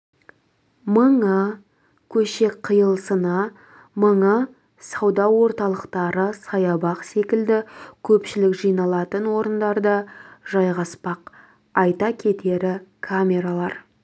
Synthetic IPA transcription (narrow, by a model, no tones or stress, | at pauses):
məɴə | kʲʰɵʃe̞kqʰəjəlˠsənɑ | məɴə | sɑwd̪ɑwo̞ɾt̪ɑlˠəqt̪ɑɾəsɑjɑbɑqse̞kʲɪld̪ɪkʲʰɵpʃɪlɪkʒijnɑlˠɑt̪ənwo̞ɾənd̪ɑɾd̪əʒɑjʁɑspɑq | ɑjt̪ɑkʲʰe̞t̪e̞ɾɪkʰamʲe̞ɾalˠɑɾ